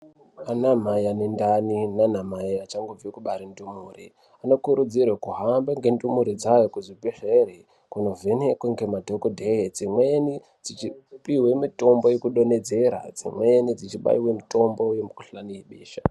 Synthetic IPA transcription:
anamajanendaninanamaiat͡ʃaŋɡob͡vikuɓaɾindumuːrḭ | ano̞kuɾud͡zirwekuɦambaŋɡe̞ndumuɾid͡zajokuzipiʂere | kuno̞vʱenekweŋɡe̞madʱokodʱejed͡zimweni | d͡zit͡ʃipiwe̞mito̞mbo̞jekuɗo̞ne̞d͡ze̞ɾa̰d͡zḭmwenid͡zit͡ʃiɓa̰iwe̞mito̞mbo̞ujemukuɬaniiɓiːʃa

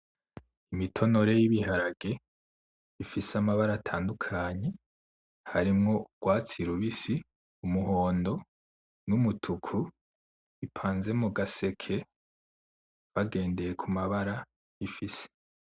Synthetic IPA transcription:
imitʰo̞no̞ɾe̞jiβihaɾaɡe̞ | βifisamaβaɾatʰaːndukʰaɲe̞ | haɾimŋo̞ɡ̥waːt͡siɾuβisi | umuɦo̞ːndo̞ | numutʰukʰu | ipʰaːnze̞muɡase̞kʰe̞ | βaɡe̞ːnde̞je̞kʰumaβaɾa | ifise̥

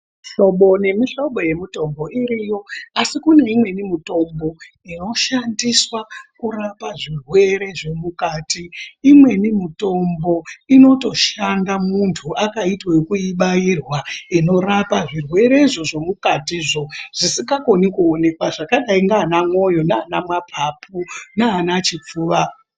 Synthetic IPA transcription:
ɬo̞ɓo̞ne̞miɬo̞ɓo̞je̞mito̞mbo̞iɾijo̞asikune̞imwe̞nimito̞mbo̞ | ino̞ʃandiswakurapaʐirwe̞ɾe̞ʐe̞mukaːtiːmwe̞nimito̞mbo̞ino̞to̞ʃandamuntʰuʔakaitwekuiɓairwaino̞rapaʐirwe̞ɾe̞iʐo̞ʐo̞mukatiːʐo̞ʐ̥isiŋɡako̞nikuone̞kwaʐakaɗaiŋɡaːnamwo̞jo̞naːnamwapʰapʰunaːnat͡ʃip͡fuːʋa

